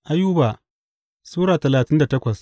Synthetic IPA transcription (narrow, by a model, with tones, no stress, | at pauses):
ʔa˦juː˦baː˨ | suː˦ɽaː˨tɐ˨laː˨tɪ˦nda˨tɐ˦kʷɐ˨s